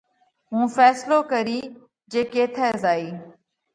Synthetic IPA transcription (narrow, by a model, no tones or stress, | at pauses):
ɦũːfɛːsloːkəɾiː | d͡ʒeːkeːt̪ʰɛːzaːiː